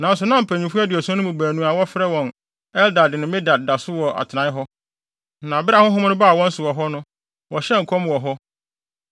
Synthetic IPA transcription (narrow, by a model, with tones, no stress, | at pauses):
nã˨n˦sʊ˨nã˦m̩˨pʰæ̃˨ɲĩ˨fu˦a˦dɪ˨ɔ˨sn˦ʊ̃˦bu˨bæː˨nũ˨a˨wɔ˦fɾɛ˦wɔ̃˨n | ɛ˦lda˨dɪ˨nɪ̃˨mɪ̃˦da˨d̚da˨sʊ˦wɔ˨ʔa̰˨tʰɪ˨nã˨˦ɪ˦ɦɔ˦ | nã˨bɪ˦a˨hʊ̃˦ɦʊ̃˦m˦nʊ̃˦ba˦˨wɔ̃˦n̩˦sʊ˨wɔ˨ɦɔ˦nʊ̃˦ | wɔ˨ɕɛ˦ŋ̩˨kʰɔ̃˦m˨wɔ˨ɦɔ˦